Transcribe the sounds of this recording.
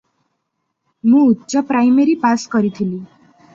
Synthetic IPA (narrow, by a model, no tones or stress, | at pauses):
mũutːsʌpɾajmeɾipaskʌɾit̪ʰili